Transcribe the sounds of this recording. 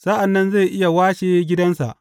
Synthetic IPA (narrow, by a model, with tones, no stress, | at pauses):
sa˦ʔa˨nːɐ˦nza˦˨jʔɪ˦ja˨waː˦ʃeː˦ɡʲɪ˦dɐ˦nsa̰˨ʔ